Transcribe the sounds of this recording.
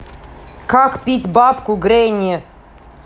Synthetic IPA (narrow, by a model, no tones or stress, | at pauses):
kakpʲitʲbapkʊɡɾʲenʲɛ